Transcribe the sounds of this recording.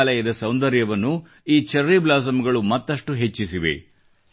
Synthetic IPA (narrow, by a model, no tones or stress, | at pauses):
lɐjɐd̪ɐsɐwnd̪ɐɾjɐʋɐnːu | iːt͡ʃɐɾːiblaːs̬ɐmɐɡɐɭumɐt̪ːɐʂʈuɦe̞t͡ʃːisiʋḛ